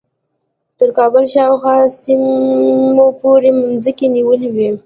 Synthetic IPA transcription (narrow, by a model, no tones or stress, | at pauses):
t̪əɾkɑbəlʃɑwxwɑsim | opoɾemʊnzəkeniwəliwi